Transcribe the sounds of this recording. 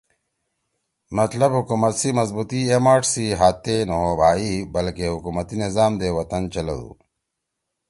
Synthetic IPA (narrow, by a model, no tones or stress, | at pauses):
mɐt̪lɐbɦukuːmɐt̪simɐzbuːt̪iemaːʈsiɦaːt̪ːenɐɦobʱaːibɐlkeɦukuːmɐt̪inizaːmd̪eːwɐt̪ɐnt͡ɕɐlɐ̰ṵː